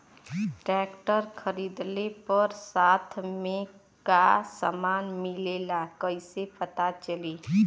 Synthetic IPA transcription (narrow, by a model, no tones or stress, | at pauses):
ʈɾɛːkʈəɾkʰəɾiːd̪lepəɾsaːt̪ʰmẽ | kasə̰maːnmɪlelakəɪsepət̪at͡ʃəli